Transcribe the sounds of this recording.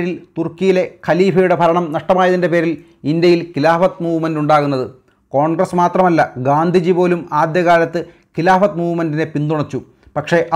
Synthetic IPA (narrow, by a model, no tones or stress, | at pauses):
ɾilt̪urkijile̞kʰɐliːfɐjuɽe̞bʱɐɾɐɳɐmnɐʂʈɐmaːjɐðinde̞pe̞ːɾil | ind̪jɐjilkilaːfɐt̪muːʋmɐnduɳɖaːɣunːɐðɨ | ko̞ːɳɡrɐsmaːt̪rɐmɐlːɐɡaːnd̪ʱid͡ʑipo̞ːlumaːd̪jɐɣaːlɐt̪ːɨ | kilaːfɐt̪muːʋmɐndinepind̪uɳɐt͡ɕːu | pɐkʂe̞ʔ